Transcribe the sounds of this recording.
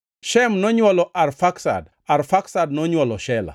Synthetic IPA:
ʃɛmnɔɲwɔlɔʔarfaksa̰d | aɾfaksad̚nɔɲwɔlɔʃɛla̰

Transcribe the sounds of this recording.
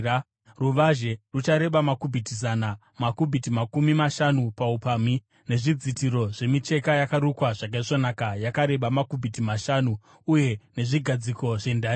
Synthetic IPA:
ruʋaʒe̞rut͡ʃaɾe̞ɓamakubʱitizana | makubʱitimakumimaʃanupaupami | ne̞ʐid͡zitiɾo̞ʐe̞mit͡ʃe̞kajakaɾukwaʐakaiʐonakajakaɾe̞ɓamakubʱitimaʃanuː | je̞ne̞ʐiɡʱad͡ziko̞ʐe̞ndaːi

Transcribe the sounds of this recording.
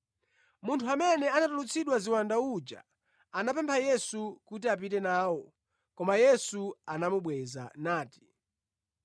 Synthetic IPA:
muntʰuamɛnɛanatulut͡sʰiɗwaziwandaud͡ʒa̰ | anapɛmpʰajɛsukut̬iap̬itɛnaːwɔ | kɔmajɛsuanamuɓwɛza̰naːti̥

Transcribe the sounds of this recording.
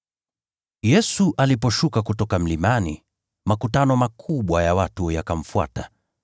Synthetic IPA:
jɛsuʔalipɔʃukakutɔkam̩limani | makutanɔmakʰuɓwajawatujakam̩fua̰ta

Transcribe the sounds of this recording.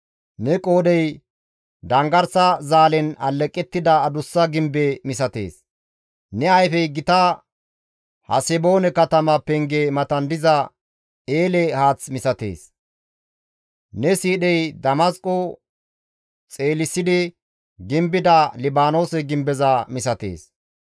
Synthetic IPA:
nɛkʼo̞ːd̪ɛj | d̪ɐŋɡɐɾsɐzaːlɛnɐlːɛkʼːɛt̪ːɪd̪ɐːd̪ʊsːɐɡɪmbɛmɪsɐt̪e̞̰ːs | nɛɐjfɛjɡɪt̪ɐ | hɐ̰sɛbo̞ːnɛkɐt̪ɐmɐpɛŋɡɛmɐt̪ɐnd̪ɪzɐ | eːlɛhaːt͡smɪsɐt̪ḛːs | nɛsiːɗɛjd̪ɐmɐskʼɔ | t͡sʼe̞ːlɪsːɪd̪ɪ | ɡɪmbɪd̪ɐlɪbaːno̞ːsɛɡɪmbɛzɐmɪsɐt̪ḛːs

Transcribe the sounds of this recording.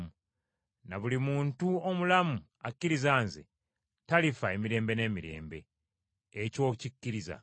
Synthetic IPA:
u | naβulimuːntuomulamu | akːiɾizaːnzḛ | talifae̞miɾe̞ːmbe̞ne̞ːmiɾe̞̰ːmbe̞̰ː | co̞ːcikːiɾiza̰

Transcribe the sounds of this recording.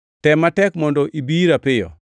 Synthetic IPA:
tɛmatɛkmɔndɔʔibiɾapɪjɔ̰

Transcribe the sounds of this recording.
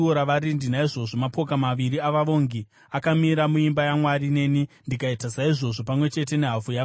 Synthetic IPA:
oɾaʋaɾindinaiʐo̞ʐo̞mapo̞kamaʋiɾiaʋaʋo̞ŋɡi | akamiɾamuimbajamwarine̞nindikaitasaiʐo̞ʐo̞pamwe̞t͡ʃe̞t̬e̞ne̞ɦafuja

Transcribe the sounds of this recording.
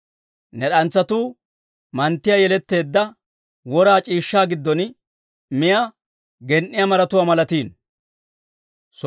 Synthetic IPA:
nɛɗɐnt͡sːɐt̪uː | mɐnt̪ːɪjajɛlɛt̪ːe̞ːd̪ːɐ | wɔɾaːt͡ʃʼiːʃːaːɡɪd̪ːɔn | mɪja | ɡɛnʔːɪjɐmɐɾɐt̪ʊwamɐlɐt̪iːn | s

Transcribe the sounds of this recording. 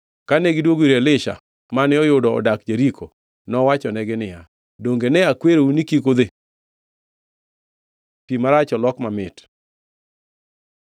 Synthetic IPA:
kaneɡɪdwoɡwiɾelɪʃa̰ | manɪɔjʊdɔɔ̰dakd͡ʒeɾikʰo | nɔwat͡ʃɔnɛɡɪnɪja | doŋɡenɛakweɾounikikod̪e | timaɾat͡ʃɔlɔkmamɪt

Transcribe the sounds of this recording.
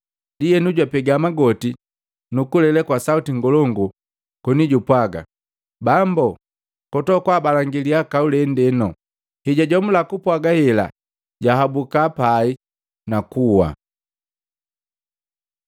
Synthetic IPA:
dijɛnuɟwapɛɡamaɡɔti | nukulɛlɛkwasautiŋɡɔlɔŋɡu | kɔniɟupwaɡa̰ | bambɔ | kɔtɔkwaːbalaŋɡiliakaulɛndɛnɔ | hɛɟaɟɔm̩lakupwaɡahɛla̰ | ɟaɦabukapai | nakuwa̰

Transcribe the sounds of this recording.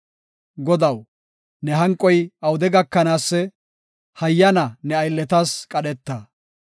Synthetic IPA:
ɡɔd̪ɐw | nɛɦɐŋkʼːɔjɐwʊd̪ɛɡɐkːɐnaːsːɛ | hɐjːɐnɐnɛɐjlːɛt̪askʼɐɗɛt̪ːɐ

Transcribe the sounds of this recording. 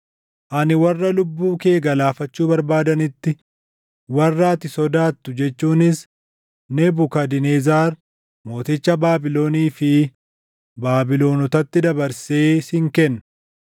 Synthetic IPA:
ʔɐnɪwɐrːɐlʊbːuːke̞ːɡɐlaːfɐt͡ʃːuːbɐɾbaːd̪ɐnɪt̪ːɪ | wɐrːaːt̪ɪsɔd̪aːt̪ːʊd͡ʒɛt͡ʃːuːnɪs | nɛbʊkɐd̪ɪnezaːɾ | mo̞ːt̪ɪt͡ʃːɐbaːbɪlo̞ːniːfɪ | baːbɪlo̞ːnʊt̪ɐt̪ːɪd̪ɐbɐɾseːshɪŋkɛnː

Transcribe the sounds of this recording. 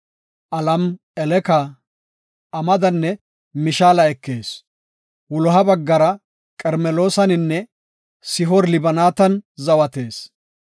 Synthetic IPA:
ʔɐlɐm | ɛlɛkɐ | ɐmɐd̪ɐnːɛ | mɪʃaːlɐɛkːe̞ːs | wʊlɔɦɐbɐɡːɐɾɐ | kʼɛɾmɛlo̞ːsɐnɪnːɛ | sɪɦɔɾlɪbɐnaːt̪ɐnzɐwɐt̪e̞ːs

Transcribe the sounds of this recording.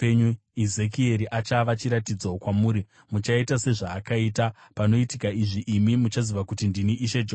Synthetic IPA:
eɲu | izekie̞ɾiʔat͡ʃaʋat͡ʃiɾatid͡zaokwamuːɾi | mut͡ʃaitase̞ʐaːkaitapano̞itikaiʐiʔːmimut͡ʃaziʋakutindiniʔiʃed͡ʒo

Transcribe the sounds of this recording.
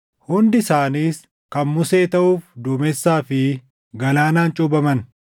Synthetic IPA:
hʊnd̪ɪsaːniːs | kɐnmʊseːt̪ɐʔuːfd̪ʊːmɛsːaːfɪ | ɡɐlaːnaːnt͡ʃʼʊbɐmɐn

